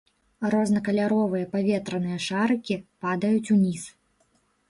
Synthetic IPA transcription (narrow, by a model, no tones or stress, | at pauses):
rɔznɐkɐlʲaɾɔvɨjɐpavʲɛt̪ɾɐn̪ɨjɐʂaɾɨkʲipad̪ɐjut͡sʲunʲis